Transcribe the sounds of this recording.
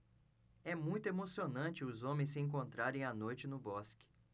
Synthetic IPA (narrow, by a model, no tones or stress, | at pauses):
ɛmũj̃t̪ʊemosionɐ̃t͡ʃɪʊzõmẽj̃s̬ɪẽŋk̬õnt̪ɾaɾẽj̃ɐnojt͡ʃɪnʊbɔskɪ̥